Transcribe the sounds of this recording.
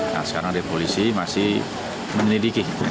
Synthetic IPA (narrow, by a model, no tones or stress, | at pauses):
na̰sə̥kaɾaŋdepolisimasɪh | məɲəlidiki